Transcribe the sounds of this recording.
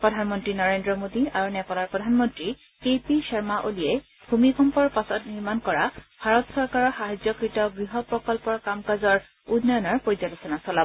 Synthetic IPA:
pɹɔdʱanmɔntɹinɔɹendɹɔmodiaɹunɛpɔlaɹpɹɔdʱanmɔntɹi | kepisɔɹmaʔolijɛ | bʱumikʰɔmpɔɹpasɔtniɹmankɔɹabʱaɹɔtsɔɹkaɹɔɹxaɦad͡ʒɔkɹitɔɡɹiɦɔpɹɔkɔlpɔɹkamkazɔɹ | udnɔjɔnɔɹpoɹizalusɔnasɔla

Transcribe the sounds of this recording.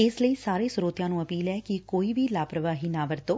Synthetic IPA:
eːsləisaːɾesɾoːt̪jãnũəpiːlɛkikoːibilaːpɾəʋaɦinaʋəɾt̪o

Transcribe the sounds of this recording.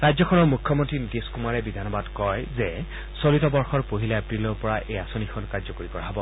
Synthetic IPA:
ɹajdzɔkʰɔnɔɹmukʰːɔmontɹinideskumaɹɛbidʱanɔbadkɔjzɛ | solitɔbɔɹxɔɹpoɦilaepɹilɔɹpɔɹaʔejasonikʰɔnkaɹzɔkoɹikɔɹaɦɔbɔ

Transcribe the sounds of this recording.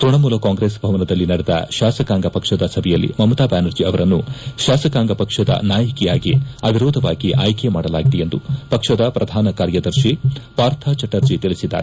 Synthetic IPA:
t̪ɾuɳɐmuːlɐkaːŋɡɾeːsbʱɐʋɐnɐd̪ɐlːinɐɽɛd̪ɐ̰ʃaːsɐkaːŋɡɐpɐkʂɐd̪ɐsɐbʱɛjɐlːḭmɐmɐt̪aːbaːnɐɾd͡ʒiɐʋɐɾɐnːuʃaːsɐkaːŋɡɐpɐkʂɐd̪ɐ̰naːjɐkijaːɡiɐbʱiɾoːd̪ʱɐʋaːɡiʔaːjkemaːɽɐlaːɡid̪ejend̪upɐkʂɐd̪ɐpɾʔɐd̪ʱaːnɐkaːɾjɐd̪ɐɾʃipaːɾt̪ʰat͡ʃɐʈːɐɾd͡ʒit̪iɭisid̪ːa̰ːɾe

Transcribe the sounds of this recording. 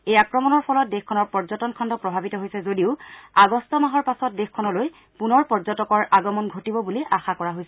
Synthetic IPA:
ejakɹɔmɔnɔɹpʰɔlɔt̚dexkʰːɔnɔɹpɔɹzɔtɔnkʰɔndɔpɹɔbʱabitɔɦojsɛzodiʊaɡɔstɔmaɦɔɹpasɔt̚dexkʰːɔnɔloj | punɔɹpɔɹzɔtɔkɔɹaɡɔmɔnɡʱotibɔbuliʔaxakɔɹaɦojsɛ

